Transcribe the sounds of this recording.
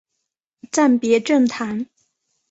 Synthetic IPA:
ʈ͡ʂa˥˩npjɛ˧˥ʈ͡ʂə˥˩ŋt̪ʰa˧˥n

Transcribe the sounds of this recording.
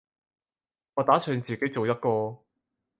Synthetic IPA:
ʔɔː˨˧t̪aː˨˥sʰœː˨˧nt͡siː˨ke˨˥jt͡so˨wjɐ˥t̚kɔː˧

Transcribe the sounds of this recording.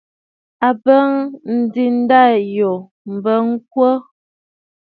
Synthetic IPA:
a˨bə˦ŋn̩˨di˨n̩˦da˦˨jo˨ | m̩˨bə˦ŋ̩˦k̚wə˦

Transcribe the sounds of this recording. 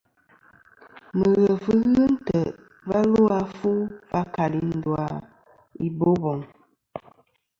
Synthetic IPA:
mə˨ɣə˨fə˦ɣə˦n̩˦tə˨ | va˦lo˦a˦fu˦va˦ka˨li˦nn̩˦dwa˦˨ | i˦bo˦bɔ˨ŋ

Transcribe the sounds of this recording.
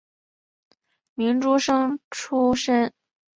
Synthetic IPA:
mi˧˥nʈ͡ʂu˥ʂɤ˥ŋʈ͡ʂʰu˥ʂə˥n

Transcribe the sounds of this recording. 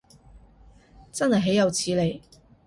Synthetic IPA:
t͡sɐ˥nhɐ˨jɦe˨˥jɐ˨˧wt͡sʰiː˨˧le˨˧j

